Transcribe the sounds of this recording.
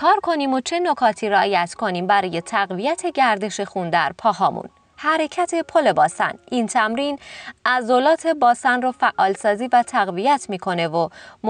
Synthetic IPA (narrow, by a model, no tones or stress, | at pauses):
kʰɒːɾkʰo̞niːmot͡ʃʰe̞nokʰɒːt̪ʰiːɾeɒːjæt̪kʰo̞niːmbæɾɒːje̞t̪ʰæɣvijæt̪ʰe̞ɟæɾd̪e̞ʃe̞xund̪æɾpʰɒːɦɒːmṵn | hæɾe̞cʰæt̪ʰe̞pʰole̞bɒːsæ̰nʔint̪ʰæmɾiːnʔæzolɒːt̪ʰe̞bɒːsænrofæʔːɒːlsɒːziːvæt̪ʰæɣvijæt̪ʰmiːkʰo̞ne̞vom